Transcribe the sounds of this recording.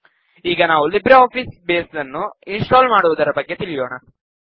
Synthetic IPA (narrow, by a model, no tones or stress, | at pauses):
iːɡɐnaːʋulibɾɐaːpʰiːsbeːsdɐnːuinsʈaːlmaːɽuʋɐd̪ɐɾɐbɐɡːe̞t̪iɭijoːɳɐ